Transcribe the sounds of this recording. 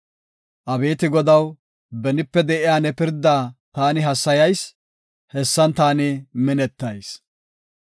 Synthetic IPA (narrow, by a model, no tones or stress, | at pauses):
ʔɐbeːt̪ɪɡɔd̪ɐw | bɛnɪpːɛd̪ɛʔɪjaːnɛpɪɾd̪aːt̪aːnɪɦɐsːɐjɐjs | hɛsːɐnt̪aːnɪmɪnɛt̪ːɐjs